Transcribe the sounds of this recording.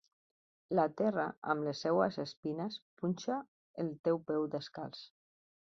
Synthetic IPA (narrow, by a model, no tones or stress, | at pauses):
lat̪ɛraʔa̰mləsːɛwəzəspinəspunʲʃa | əlˠt̪ɛwpɛwd̪əska̰lˠs